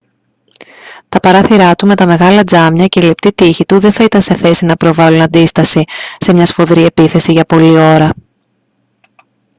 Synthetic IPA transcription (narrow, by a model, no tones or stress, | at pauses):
t̪ɐpɐɾɐθiɾɐt̪ume̞t̪ɐme̞ɣɐlɐd͡zɐmɲɐce̞ilept̪it̪içit̪uðe̞nθɐit̪ɐnse̞θe̞sinɐpɾo̞vɐlunɐnd̪ist̪ɐsise̞mɲɐsfo̞ðɾie̞piθe̞siʝɐpo̞lio̞ɾɐ